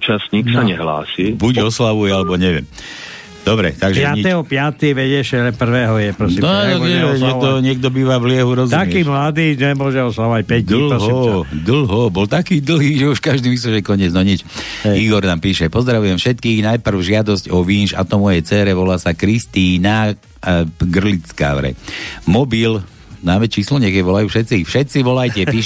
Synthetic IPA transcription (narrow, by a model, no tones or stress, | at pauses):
t͡ʃasɲiksaɲɛɦla̰ːsibuɟɔslaʋujɛalɛbɔɲɛʋɪɛ̰m | d̪̥ɔbɾɛ̰t̪aɡʒɛɪatɲiɛɦɔpɪat̪iʋɛɟɛʃɛlɛpr̩ʋɛːɦɔjɛpɾɔsimɔaaɛɲɛkd̪ɔɲɪɛɡ̚d̪ɔbiːʋavlɪɛɦuɾɔzt̪akiːmlad̪iːnɛmʊɔʒɛɔslaʋacpɛd̪ɔɦsd̪l̩ɦɔbɔlt̪akiːd̪l̩ɦiːʒɛuʃkaʒd̪iːmis̬lɛʒɛkɔɲɪɛd͡znɔɲit͡ʃiɡɔɾnaːmpiːʃɛpɔzd̪ɾaʋujɛmfʃɛt̪kiːɣnajpr̩ʊʒɪad̪ɔscɔʋiːnʃa̰t̪ɔmɔjɛjt͡sɛːɾɛʋɔlaːsakɾist̪iːna | ɡr̩lit͡ska̰ʋɾɛ̰mɔbil | naːmɛt͡ʃiːslɔɲɛkɛʋɔlajuːfʃɛt̪t͡sifʃɛt̪t͡siʋɔlajcɛpiːʃ